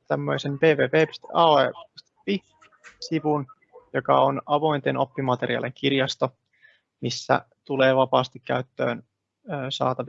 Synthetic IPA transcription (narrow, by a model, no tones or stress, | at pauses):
t̪æmːøise̞mpe̞ːʋeːpeːpi̥st̪ḛʔɑeist̪e̥pi | siʋun | jokɑ̰onɑʋo̞int̪enʔopːimɑt̪e̞ɾiɑ̰leŋkirjɑst̪o | misːæ̰ | t̪ule̞ːʋɑpɑːst̪ikkæ̰yt̪ːø̰ːnː | sɑ̰ːt̪ɑʋ